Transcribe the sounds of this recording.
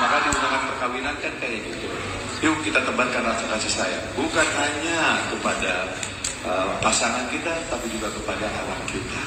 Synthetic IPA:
makadiunaŋanpərkawinankankaɡit̪u | jukit̪at̪əbarkanrat̪ukasisaja̰bukanɦaɲakəpada | əpasaŋankit̪at̪apid͡ʒuɡakəpadaɦalamkit̪a

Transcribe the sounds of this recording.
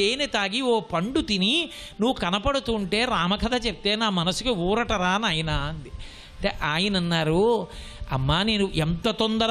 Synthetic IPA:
eːnet̪aːɡioːpɐɳɖut̪ini | nuʋːukɐnɐpɐɽut̪uːɳʈe̞ːɾaːmɐkʰɐt̪ʰɐt͡ʃep̚t̪e̞ːnaːmɐnɐsu̥kiuːɾɐʈɐɾaːnɐjɐnaːɐnd̪i | ɐɐɳʈeʔaːjinɐnːaːɾu | ɐmːaːneːnuʔent̪ɐt̪ond̪ɐɾ

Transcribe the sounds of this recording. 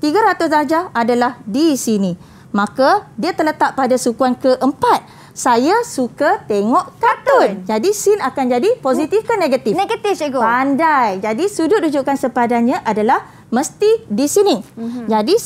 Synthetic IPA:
t̪iɡaɾat̪ʊsdad͡ʒaadalahdisinĩ | mãkadiat̪ələt̪aʔpadasukuankəʔəmpat̪̚ | sajasukat̪eŋɔʔkat̪ʊnd͡ʒadisɪnakand͡ʒadiposit̪ifkəneɡat̪ɪneɡat̪ɪfɡpaandajd͡ʒadisudʊdud͡ʒuʔkansəpadajɲãʔadalah | mə̃st̪idisinid͡ʒadi

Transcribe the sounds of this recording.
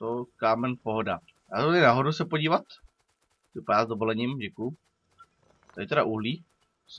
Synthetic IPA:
t̪okaːmɛnpoɦoda | jasɪnaɦodusɛpoɟiːvat̪ | vɪpadaːzdovolɛɲiːmɟɛkuj | t̪aɪt̪ɛɾaʔuɦliː | s

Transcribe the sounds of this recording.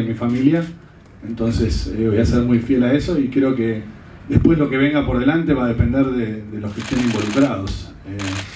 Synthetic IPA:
mifamilja | ent̪o̞nsesβo̞jaseɾmujfje̞laeso̞ikɾeo̞ke | ðehpwe̞slo̞keβ̞e̞ŋɡapoɾð̞elant̪e̞βað̞epend̪eɾðeðelokest̪jenimbo̞lukɾað̞o̞s | e

